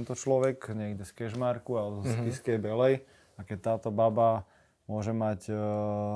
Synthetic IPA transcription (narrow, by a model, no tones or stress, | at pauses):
nt̪ɔt͡ʃlɔʋɛkɲɪɛɡɟɛskɛʒmaɾkualskiskɛjbɛlɛj | akɛct̪aːt̪ɔbaba | mʊɔʒɛmac